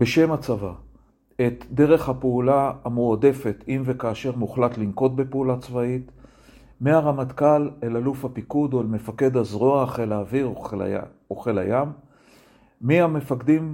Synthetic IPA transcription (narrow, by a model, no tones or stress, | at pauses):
beʃe̞mat͡sava | et̪de̞ʁe̞χhapeulaamuode̞fe̞t̪imve̞kaːʃeʁmuχlat̪limko̞t̪̚be̞peulat͡svait̪ | meaʁamat̪kalelalufhapikud̪oelme̞fake̞d̪azʁoaχelaːviʁ̰ | oχe̞la̰jam | iame̞fakd̪im